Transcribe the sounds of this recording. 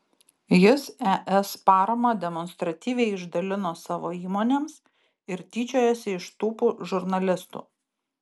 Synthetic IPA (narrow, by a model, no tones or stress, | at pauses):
jɪsæʔɛspɑːɾɐmɐd̪ʲɛmɔnst̪ɾɐt̪ʲiːʋʲɛɪɪʒd̪ɐlʲɪnoːsɑːʋoːiːmoːnʲeːms | ɪɾt̪ʲiːt͡ʃʲoːjɛːsʲɪɪʃt̪uːpuʒʊɾnɐlʲɪst̪ṵː